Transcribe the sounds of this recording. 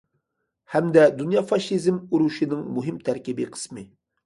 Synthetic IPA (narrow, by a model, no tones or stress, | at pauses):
hɛmd̪ɛd̪unjɑfɑʃizmuɾuʃinɪŋmuɦɪmt̪ʰæɾkʲibiqʰə̥smɨ